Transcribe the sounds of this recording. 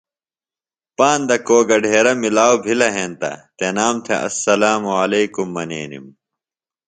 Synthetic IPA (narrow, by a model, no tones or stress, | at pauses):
paːnd̪ɐkoːɡɐɖʱeːɾɐmilaːwbʱilɐɦeːnt̪ɐ̰t̪enaːmt̪ʰḛʔɐ̰sːɐlaːmuɐleːkumːɐnḛːnḭm